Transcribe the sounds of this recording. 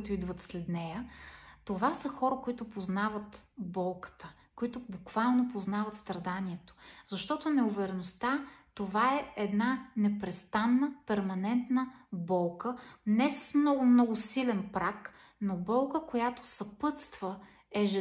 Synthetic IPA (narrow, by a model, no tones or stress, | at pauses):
it̪ʊid̪vət̪slɛd̪nɛjət̪ovasəxɔɾəkoit̪ʊpoznavət̪bɔlˠkə̥t̪ə | koit̪ʊbʊkv̥alˠnopoznavət̪st̪ɾɐd̪aniɛt̪o̥zɐʃt̪ɔt̪ʊnɛʊvɛɾɛnost̪at̪ovaɛɛd̪nanɛpɾɛst̪anːəpɛɾmɐnɛnt̪nəbɔlˠkənɛsə̥smnɔɡʊmnɔɡʊsilɛnpɾak | nobɔlˠkəkojat̪o̥sɐpɤt̪st̪və | ɛʒɛ